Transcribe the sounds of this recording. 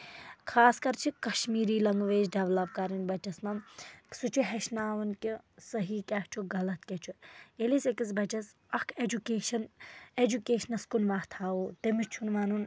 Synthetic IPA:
kʰaːskɐɾt͡ʃʰikɐʃmiːɾiːlɐŋɡʋeːd͡ʒɖɐʋlɐb̚kaɾinbɐt͡ʃɐsnɐmsut͡ʃʰuɦɛʃnaːʋɐnkisɐɦiːkʲaht͡ʃʰuɡɐlɐt̪̚kʲɛt͡ʃʰuelisekisbɐt͡ʃɐs | ɐkʰed͡ʒukeːʃɐned͡ʒukeːʃnɐskunʋaːɦt̪ʰaːuːt̪emit͡ʃʰunʋaːnun

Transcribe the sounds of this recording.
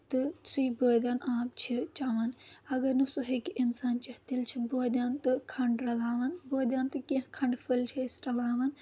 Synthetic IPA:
t̪ɨsuiboːd̪ɐnaːp̚t͡ʃʰit͡ʃaːʋɐnɐɡɐɾnɨsuɦekinsaːnt͡ʃɐht̪ilt͡ʃʰiboːd̪ʲaːnt̪ɨkʰɐɳɖɾɐlaːʋɐnboːd̪ʲaːnt̪ɨkẽɦkʰɐ̃ɳɖfʰɨlt͡ʃʰiisɾɐlaːʋɐn

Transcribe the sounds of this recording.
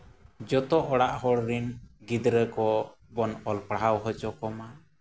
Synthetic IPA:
d͡ʒɔt̪ɔʔɔɽaʔhɔɽɾinɡid̪ɾəkɔ | bɔnɔlpɽawɦɔt͡ʃɔkɔma

